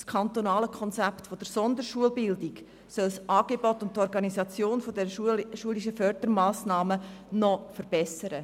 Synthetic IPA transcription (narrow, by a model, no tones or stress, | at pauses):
skʰɑnt̪onɑːləkʰɔnt͡sɛptfod̥əɾsɔnd̪əɾʃuəlbɪldɪk | sœlsʔɑːɡ̥ebɔtʊntːɔɾɡɑnisɑt͡sjoːnfodɛɾəʃuəliʃəfœɾd̥əɾmɑːsnɑːmənɔfəɾb̥ɛsəɾə